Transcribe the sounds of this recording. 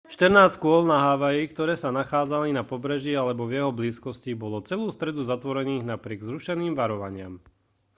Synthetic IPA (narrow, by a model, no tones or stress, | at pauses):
ʃt̪əɾnaːst͡skʊɔlnaɦaːʋajikt̪ɔɾɛːsanaxaːd͡zalinapɔbɾɛʒialɛbɔvjɛɦɔbliːskɔscibɔlɔt͡sɛluːst̪ɾɛd̪uzat̪ʋɔɾɛniːɣnapɾɪɛɡzɾuʃɛniːmʋaɾɔʋa̰ɲɪa̰m